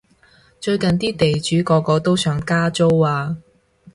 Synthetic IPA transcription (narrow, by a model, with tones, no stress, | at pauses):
t͡ʃɵ˧ɥkɐ˨nt̪iː˥t̪e˨jt͡ʃyː˨˥kɔː˧kɔː˧t̪o˥wsœː˨˥ŋkaː˥t͡so˥waː˧